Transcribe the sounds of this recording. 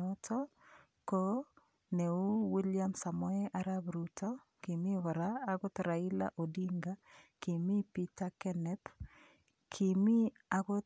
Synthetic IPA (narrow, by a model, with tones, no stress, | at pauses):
ɔtʰɔ | ko | ne˨u˦wi˦lja˦msa˨mɔ˦ɛʔaɾabɾutɔ | ki˨mi˦wa˨ɾaː˦ɡɔ˦tɾa˨i˦la̰˦ʔo˨di˦ŋɡaki˨mi˦pi˦takɛ˦nɛ˦p | kʰi˨mi˦ | aɡɔ˦